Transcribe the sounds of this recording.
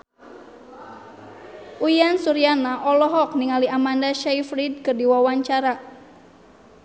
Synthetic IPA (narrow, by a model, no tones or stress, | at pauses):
ʔujansuɾianaʔɔlɔɦɔk̚niŋaliamandaʃajfɾid̚kɨrdiwawaɲt͡ʃaɾa